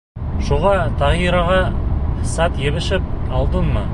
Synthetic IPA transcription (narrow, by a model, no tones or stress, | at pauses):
ʃuʁɑt̪ʰɑʁiɾɑʁɑsɑt̪jeβɘ̆ʃɘp̚ɑlˠd̪ənmɑ